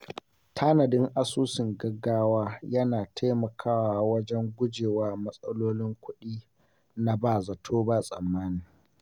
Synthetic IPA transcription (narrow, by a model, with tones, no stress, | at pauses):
tʰaː˦nɐ˨dɪ˦ŋʔa˦suː˦sɪ˨ŋɡɐ˦ɡːaː˦waː˦jɐ˦naː˨tʰa˦jmɐ˨kʰaː˦waː˨wɐ˦d͡ʒɛ˦ŋɡʷʊ˦d͡ʒeː˨waː˦mɐ˦sʼɐ˦loː˦lɪ˦ŋkʷʊ˦ɗiː˦ | na˦baː˨zɐ˨tʰoː˦ba˦sʼɐ̰˨mːaː˦niː˨